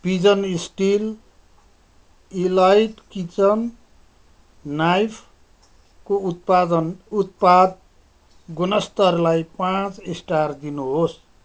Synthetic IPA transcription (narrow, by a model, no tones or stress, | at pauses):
b̥id͡zʌnisʈil | ilajʈkit͡sʌn | ajpʰ | kopad̪ʌnut̪̚pad̪̚ | ɡunʌst̪ʌrlajpãt͡sisʈard̪inuɦos